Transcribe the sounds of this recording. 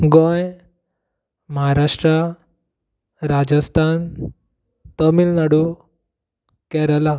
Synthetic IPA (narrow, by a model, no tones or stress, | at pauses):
ɡoj | məɦaɾaʂʈɾa | ɾad͡ʑəst̪ʰan | t̪əmilnaɽu | kɛɾala